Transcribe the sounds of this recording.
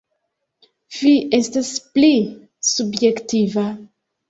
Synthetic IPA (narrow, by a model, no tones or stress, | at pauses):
viʔestaspli | subjektiva